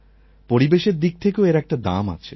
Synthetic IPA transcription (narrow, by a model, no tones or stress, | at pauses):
poɾibeʃeɾd̪ik̚t̪ʰekeoeɾɛk̚ʈad̪a̰ma̰t͡ɕʰe